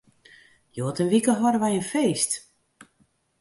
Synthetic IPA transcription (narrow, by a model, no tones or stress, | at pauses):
joːtənʋikəɦɔɾəʋɛjənfeːst